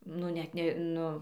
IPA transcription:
ˈnʊ ˈnʲɛt nʲɛ

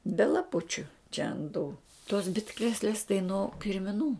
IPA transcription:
bʲɛ lˠɐˈpʊt͡ʃʲʊ t͡ʃʲɛ ɐnt tuː toːs ˈbʲɪtkrʲeːsʲlʲeːs tɐɪ noː kʲɪrʲmʲɪˈnuː

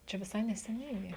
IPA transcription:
ˈt͡ʃʲɛ ʋʲɪˈsɐɪ nʲɛsʲɛˈnʲɛɪ ɡʲɪ

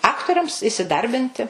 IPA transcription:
ˈɑːktoːrʲɛms ɪsʲɪˈdɐrʲbʲɪnʲtʲɪ

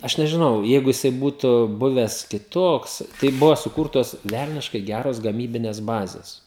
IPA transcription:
ˈɐʃ nʲɛʒʲɪˈnɐʊ ˈjɛɪɡʊ jɪˈsɐɪ ˈbuːtʊ ˈbʊʋʲɛs kʲɪˈtoːks ˈtɐɪ ˈbʊʋoː sʊˈkʊrtoːs ˈʋʲɛlʲnʲɪʃkɐɪ ˈɡʲæːroːs ɡɐˈmʲiːbʲɪnʲɛs ˈbɑːzʲɛs

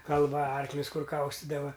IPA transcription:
kɐlˠˈʋɐ ˈɐrklʲʊs ˈkʊr ˈkɐʊsʲtʲɪdɐʋɐ

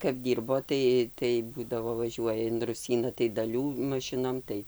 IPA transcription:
kɐp ˈdʲiːrboː ˈtɐɪ tɐɪ ˈbuːdɐʋoː ʋɐˈʒʲuɔjɛ ɪn rʊˈsʲiːnɐ tɐɪ dɐˈlʲuː mɐˈʃʲɪnoːm ˈtɐɪ

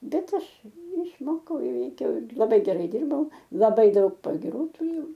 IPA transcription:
ˈbʲɛt ˈɐʃ ɪʃˈmoːkɐʊ ˈiːʋʲɛɪkʲɛʊ ɪr lˠɐˈbɐɪ ɡʲɛˈrɐɪ ˈdʲɪrbɐʊ lˠɐˈbɐɪ ˈdɐʊk pɐɡʲɪˈruː tʊˈrʲeːjɛʊ

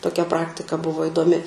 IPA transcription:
toːˈkʲɛ ˈprɑːktʲɪkɐ ˈbʊʋoː ɪdoːˈmʲɪ

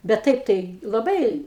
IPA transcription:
bʲɛt ˈtɐɪp ˈtɐɪ lˠɐˈbɐɪ

